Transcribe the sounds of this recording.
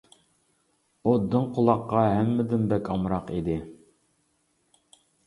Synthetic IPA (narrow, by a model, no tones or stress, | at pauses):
od̪ːɨnqʰolˠɑqːɑɦæmːɪd̪ɪnbɛkʲʰɑmɾɑqid̪ɪ